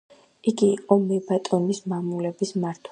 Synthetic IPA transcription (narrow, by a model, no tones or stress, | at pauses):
iɡiːqʼɔmɛbat̪ʼɔnismamulɛbismaɾt̪ʰ